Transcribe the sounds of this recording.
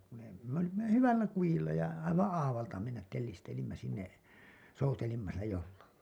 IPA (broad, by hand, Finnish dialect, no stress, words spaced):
kun ei me olimːɑ jo hyʋælːæ kujilːɑ jɑ ɑiʋɑ̃ː ɑːʋɑltɑ menːæt telːistelimːæ sinːe soutelimːɑ silːæ jolːɑlːɑ